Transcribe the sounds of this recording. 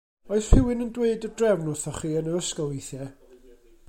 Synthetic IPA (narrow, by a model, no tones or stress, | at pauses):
ɔɨsfɪwɪnəndweɨdərdrɛvnʊθɔχiːənəəskɔlˠijθjɛ